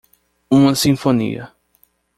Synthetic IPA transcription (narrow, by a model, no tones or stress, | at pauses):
ũmɐsĩfonḭɐ̰